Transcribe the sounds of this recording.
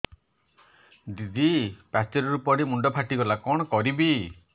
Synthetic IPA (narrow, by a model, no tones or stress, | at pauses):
d̪id̪ipat͡ʃeɾɔɾupɔɽimuɳɖɔpʰaʈiɡɔlakɔɽ̃ɔkɔɾibi